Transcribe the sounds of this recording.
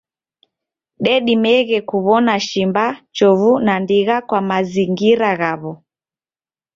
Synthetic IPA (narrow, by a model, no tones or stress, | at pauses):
ɗɛɗimɛɣɛkuβɔnaʃimbat͡ʃɔvunandiɣakwamaziŋɡiɾaɣaβɔ